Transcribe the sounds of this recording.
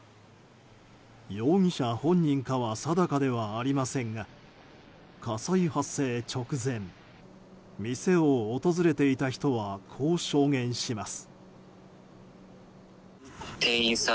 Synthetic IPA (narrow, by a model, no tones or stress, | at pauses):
jo̞ːɲ̟iɕahõ̞ɲ̟ːĩŋkaβasad̪akad̪e̞βaːɾʲimasẽ̞ŋɡa | kʰasaihasːe̞ːt͡ɕo̞kɯ̟zẽ̞m | mʲise̞oːt̪o̞zɨɾe̞t̪e̞it̪açi̥t̪o̞βakʰo̞ːɕo̞ːŋẽ̞ɰ̃ɕimasɨ̥ | t̪eːĩsa